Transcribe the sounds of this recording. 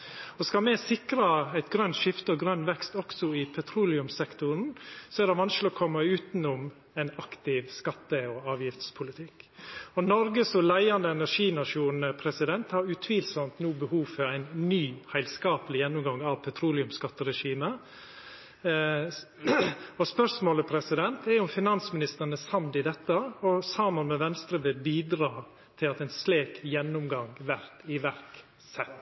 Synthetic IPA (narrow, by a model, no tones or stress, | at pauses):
ɔskɑlmɛsɪkɾɑæɪt̪ɡɾœnt̪ʃɪft̪əɔɡɾœnːʋɛkst̪ɔksɔɪpʰɛt̪ʰɾuːlɪʉmsɛkt̪ʊɾn̩sɔæɾd̪ɛʋɑnsklɪɔkʰɔmːɑʉːt̪nʊm | æɪnɑkt̪ɪʋskɑt̪ːəɔɑːʋjɪft̪spʰʊlɪt̪ʰɪkːɔnɔɾɡəsɔlæɪɑnd̪əɛnæʂiːnɑʂuːnəpʰɾɛsɪd̪ɛnt̪hɑɾʉt̪ʰʋiːlsɔmt̪nuːbəhuːʋfœɾæɪnnyːhæɪlskɑːpəlɪjɛnːʊmɡɑŋːɑʋpʰɛt̪ʰɾuːlɪʉmskɑt̪ːəɾɛʂiːmə | ɔspœʂmoːləpʰɾɛsɪd̪ɛnt̪ɛɾjʊmfɪnɑnsmɪnɪst̪əɾənəsɑmd̪ɪd̪ɛt̪ːəɔsɑːmənmɛʋɛnst̪ɾəbeːbiːd̪ɾɑː | t̪ʰɪlɑt̪æɪnsleːkjɛnːʊmɡɑŋʋæɾt̪ɪʋæɾk | sɛt̪ː